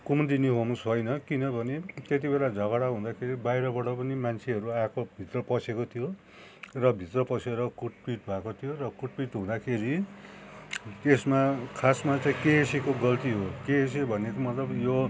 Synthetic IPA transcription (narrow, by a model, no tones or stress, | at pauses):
kumd̪iniɦomusɦojnʌkinʌbʱʌnet̪et̪̬ibelad͡zʱʌɣʌɽaɦũd̪akʰeɾibajɾʌbʌɽʌpʌnimant͡sʰeɦʌɾuakʰobʱit̪rʌpʌsʰekot̪ʰijo | rʌbʱit̪rʌpʌsʰeɾʌkuʈ̚piʈ̚bʱakot̪ʰijorʌkuʈ̚piʈɦũd̪akʰeɾi | t̪esmakʰasmat͡saĩkeːsekoɡʌlt̪iɦokeːs̬ebʱʌnekomʌt̪lʌbjo